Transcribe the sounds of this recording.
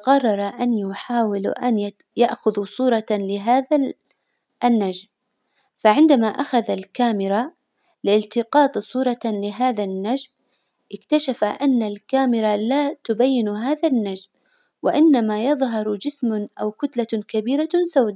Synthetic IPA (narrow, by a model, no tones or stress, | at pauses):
ɣɑrˤːɑɾˤɑʔanjʊħaːwɪl̰ʔan | jaʔxʊðusˤuːɾˤɑlɪɦaːða | ʔnːad͡ʒm | faʕɪnd̪amaʔaxaðalkaːmɪɾa | lɪlt̪ɪqɑːt̪ˤsˤuːɾˤɑlɪɦaːðanːad͡ʒm | ʔɪkt̪aʃafaʔanːalkaːmɪɾalat̪ʊbajːɪnɦaːðanːad͡ʒm | wɪʔɪnːamajɑðˤɦɑɾˤd͡ʒɪsmaʔa̰wkʊt̪lakabiːɾasawd̪a